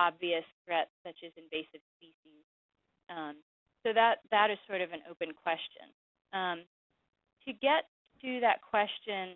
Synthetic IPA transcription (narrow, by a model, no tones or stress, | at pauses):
ɑbviɨsθɹɛt̚sʌt͡ʃɨzɨ̃ɱveɪsɨv̥spiʃiz̥ | ʔʌ̃m | soʊðət̪̚ðɨɾɨz̥sɔɹɾʌvɨ̃no̰ʊpɨ̃nkʰw̥ɛst͡ʃɨ̰̃n | ʌ̃m | tʰɨɡɛt̪̚ | ɨðɨt̚kʰw̥ɛst͡ʃɨ̃n